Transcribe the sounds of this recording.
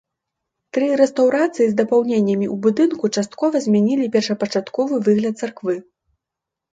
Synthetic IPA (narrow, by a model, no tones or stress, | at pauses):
t̪ɾɨɾɛst̪awɾat̪sɨjizd̪ɐpawnʲenʲːɐmʲiubud̪ɨnkut͡ʂast̪̚kɔvɐzʲmʲanʲilʲipʲɛrʂɐpɐt͡ʂat̪kɔvɨvɨɣlʲɐt̪̚sarkvɨ